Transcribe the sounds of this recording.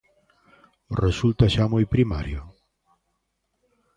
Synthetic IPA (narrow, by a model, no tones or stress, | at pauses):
result̪aʃamojpɾima̰ɾjo